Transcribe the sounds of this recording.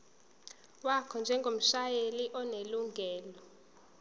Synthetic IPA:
wakʰɔnd͡ʒʱɛŋɡʱom̩ʃajeliʔɔneluŋʱɛːlɔ

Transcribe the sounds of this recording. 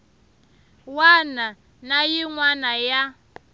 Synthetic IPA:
wana | najiŋwanaja

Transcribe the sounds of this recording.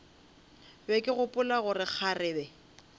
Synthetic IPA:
bɛkʼɪɣʊpʼʊlaɣʊrɪk͡xʰarɪːbɛ

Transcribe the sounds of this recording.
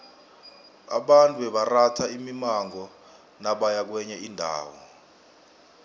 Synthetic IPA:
a̰ɓantʼuɓɛɓaratʰaimimaŋɔ | naɓajak̬wɛɲɛindʱa̰ːwɔ̰

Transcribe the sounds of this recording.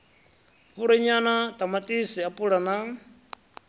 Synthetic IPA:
puɾɛɲanat̪amat̪ʼisɛapʼuɺana

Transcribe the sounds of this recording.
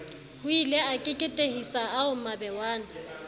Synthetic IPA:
hʊileakʼɪkʼɪtʼehisaaʊmabɛwaːna

